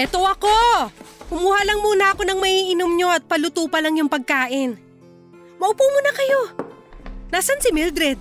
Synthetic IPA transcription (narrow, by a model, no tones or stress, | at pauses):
ʔɛt̪o̞ʔɐko̞ʔʊmuːhalɐŋmuːnɐʔɐko̞nɐŋmɐiːʔɪnomɲo̞ʔɐt̪̚pɐlʊt̪uːpɐlɐŋjʊŋpɐɡ̚kaːʔɪn | mɐʔʊpuːmuːnɐkɐjo̞ | naːsansɪmɪld̪ɾɛd̪̚